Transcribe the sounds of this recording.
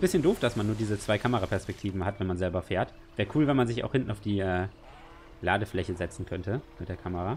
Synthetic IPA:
bɪsçəndoːfd̥asmanːuːɐdiːzət͡sv̥aɪkʰaməʁapʰɛɐspɛk̚tʰiːvn̩hatv̥ɛnmanzɛlbɐfeːɐt | vɛːəkʰuːlvɛnmanzɪça̰ʊxhɪntn̩aʊfd̥iːʔɛː | laːdəflɛçəzɛt͡sn̩kʰœntəmɪtd̥ːɐkʰaməʁa

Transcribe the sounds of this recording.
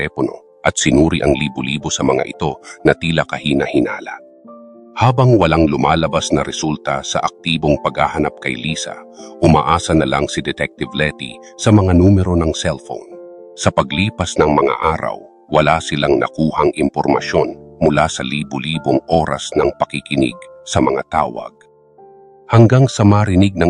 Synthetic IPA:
ɛlɛpono̞̰ | ʔɐt̪̚sɪnuːɾiʔɐŋliːbʊliːbosɐmɐŋa̰ʔɪt̪o̞nɐt̪iːlɐkɐhiːnɐhɪna̰ːlɐ̰ | haːbɐŋwɐlaŋlʊmaːlɐbasnɐɾɛsult̪ɐsɐ̰ʔɐk̚t̪iːbo̞ŋpɐɡaːhɐnap̚kɐjliːsɐ̰ | ʔʊmaʔaːsɐnɐlaŋsɪd̪ɛt̪ɛk̚t̪ɪvlɛt̪ḭ | sɐmɐŋanuːmɛɾo̞nɐŋsɛlfo̰wnsɐpɐɡliːpɐsnɐŋmɐŋa̰ʔaːɾɐ̰wː | ɐlasɪlaŋnɐ̰kuːhɐŋʔɪmpoɾmɐ̰ʃo̞nmʊlasɐliːbʊliːboŋʔo̞ːɾɐ̰snɐŋpɐkɪkɪnɪ̰ɡsɐmɐŋat̪aːwɐ̰ɡ̥̚ | hɐŋɡaŋsɐmaɾɪniɡ̚nɐŋ

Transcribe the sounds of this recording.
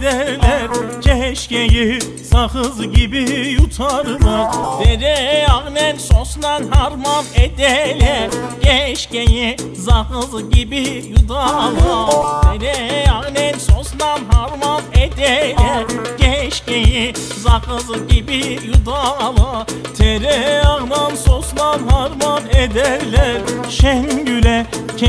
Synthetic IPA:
d̪ɛlɛɾcʰɛʃceji | sahɯzɟibijut̪ʰaɾɯnɯd̪ɛɾɛaɣnɛnsosnanɦaɾmanɛd̪ɛlʲɛɟɛʃceji | zahɯzɟibijud̪alˠat̪ʰeɾɛaɣnɛnsosnanɦaɾmamɛd̪ɛlʲɛɟ̥ɛʃceji | zakɯzɟibijud̪alˠat̪ʰɛɾɛaɣnansoslˠanhaɾmaned̪æɾlʲɛɾʃɛnɟylʲɛ

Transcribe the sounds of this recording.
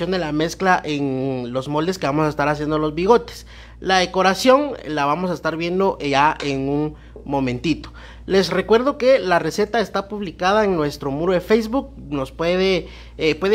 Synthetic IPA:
jo̞nd̪e̞lame̞sklaʔenlo̞zmo̞ld̪e̞ske̞βamo̞saest̪aɾasje̞nd̪olo̞zβiɣ̞o̞t̪e̥s | laðe̞ko̞ɾasjo̞ŋlaβamo̞s̬aest̪aɾβje̞nd̪o̞ʔaenuŋ | mõ̞mẽ̞nt̪it̪o̥ | le̞sre̞kwe̞ɾðo̞ke̞larese̞t̪ae̞st̪apuβlikaðaeŋnwe̞st̪ɾo̞muɾoðefejzβuk̚no̞spwe̞ðe | pwe̞ð

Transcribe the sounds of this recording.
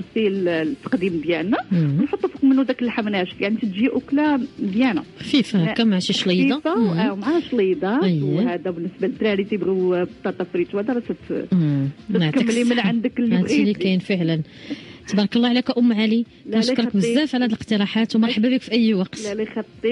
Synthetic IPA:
ɾsilt̪ːə̥qd̪imd̪jænæwnħot̪ˤːufəkmənːud̪ækəlħamnæʒət̪jaʕnit̪ət̪ʒiʔʊklæd̪jænæfifkæmaʕaʃiʃlijd̪ˤɑfawmʕahæʃlijd̪ˤɑəjhæd̪æbənːəsbalət̪ːɾæɾit̪əbɣibt̪ːˤɑt̪ˤːɑfɾit̪whæd̪æbæsæt̪ | naʕtkˤikːlimənʕand̪əklːæilikænfəʕlən | t̪ːɑbɑɾˤɑkɑlˤːɑʕlækæʔʊmːʕali | ææʃkɾˤkbəzːæfʕlæhæd̪ləqt̪əɾˤɑħat̪wmɑɾˤħabːæbikfiʔæjːwɑqt̪ælixɑt̪ˤːi

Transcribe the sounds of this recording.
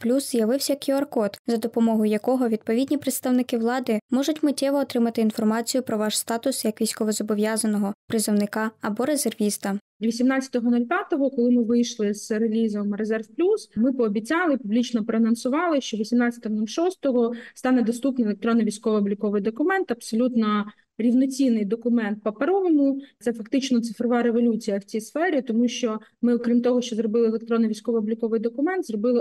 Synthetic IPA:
plʲusz̥ʲjɐʋɪwsʲɐkʲiɐrkɔt̪zɐd̪ɔpɔmɔɦʊjjɐkɔɦɔʋʲid̪̚pɔʋʲidʲnʲipɾet̪st̪ɐwnɪkɪʋlˠɑd̪ɪmɔʒʊtʲmɪtʲɛʋɔːt̪ɾɪmɐt̪ɪːn̪fɔrmɑt͡sʲijʊpɾɔʋɑʃst̪ɑt̪ʊsjɐkʋʲijsʲkɔʋɔzɔbɔʋʲjɑzɐnɔɦɔpɾɪzɔwnɪkɑːbɔɾe̞zerʋʲist̪ɐ | ʋʲisʲimnɑt͡sʲɐ̥t̪ɔɦɔnulʲpʲjat̪ɔɦɔkɔlˠɪmɪʋɪjʃlˠɪz̥relʲizɔmrezɛrfplʲusmɪpɔːbʲit͡sʲɑlˠɪpublʲit͡ʃnɔpɾɔɐnɐnsʊʋɑlˠɪʃt͡ʃɔʋʲisʲimnɑt͡sʲɐ̥t̪ɔɦɔnulʲʃɔst̪ɔɦɔst̪ɑnɛd̪ɔst̪upnɪjelˠek̚t̪ɾɔnːɔʋʲijsʲkɔʋɔːblʲikɔʋɪjd̪ɔkʊmɛnt̪ɐpsɔlʲut̪nɔ | ɾʲiwnɔt͡sʲinːɪjd̪ɔkʊmɛnt̪̚pɐpɐɾɔʋɔnʊsɛfɐkt̪ɪt͡ʃnɔt̪sɪfɾɔʋɑɾeʋɔlʲut͡sʲijɐwt͡sʲijsfɛɾʲit̪ɔmuʃt͡ʃɔmɪɔkɾʲimt̪ɔɦɔʃt͡ʃɔzɾɔbɪlˠɪːlˠekt̪ɾɔnːɔʋʲisʲkɔʋɔːblʲikɔʋɪjd̪ɔkʊmɛnt̪zrɔbɪlˠɪ

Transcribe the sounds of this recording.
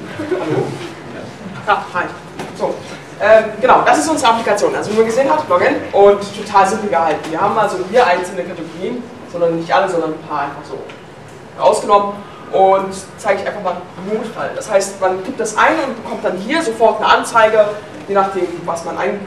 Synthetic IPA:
zo | ja̰ | a | z̥oː | ʔɛːmɡənaʊd̥asɪstʔʊnz̥ʁəaplikat͡sjoːnʔalzonuːɐɡəzeːənɦatlɔɡɛnʔʊnttʰotʰaːlzɪmpl̩ɡəhaltn̩viːɐhaːbm̩alzohiːɐʔaɪnsl̩nəkʰatəɡoʁiːən | z̥ɔndɐnːɪçtʔaləzɔndɐnnpʰaːɐʔaɪnfaχz̥o̰ː | ʔa̰ʊsɡ̥ənɔmən | ʔʊntt͡saɪɡəɪçʔaɪnfaχmaːlmoːfa̰ld̥ashaɪstmanɡ̥iːp̚t̚d̥asʔa̰ɪnʊnt̚b̥əkʰɔmt̚d̥anɦiːɐzofɔɐtnəʔant͡saɪɡə | jeːnaχd̥eːmvasmanʔa̰ɪɡŋn

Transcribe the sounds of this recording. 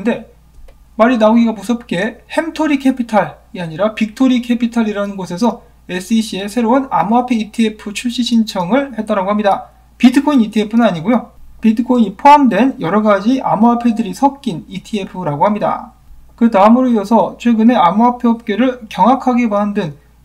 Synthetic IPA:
nde̞ | maɾinaoɡiɡamusʰʌp̚k͈e̞he̞mtʰoɾikʰe̞pʰitʰaɾiaɲiɾapik̚tʰoɾikʰe̞pʰitʰaɾiɾanɯnɡosʰe̞s̬ʰʌ | e̞s͈ɯiɕ͈ʰie̞sʰe̞ɾouna̰muapʰeitʰie̞pʰɯt͡ɕʰuɭɕ͈iɕʰint͡ɕʰʌŋɯɭhe̞t͈aɾaɡohamɲida | pidɯkʰoinitʰie̞pʰɯnɯnaɲiɡojopidɯkʰoiɲipʰoamdwe̞njʌɾʌɡad͡ʑiʔa̰muapʰedɯɾisʰʌp̚k͈initʰiepʰɯɾaɡohamɲida̰ | kɯtaɯmuɾoiʌsʰʌt͡ɕʰwe̞ɡɯne̞amuapʰeʌp̚k͈eɾɯɭkjʌŋɦakʰaɡe̞maɦndɯn

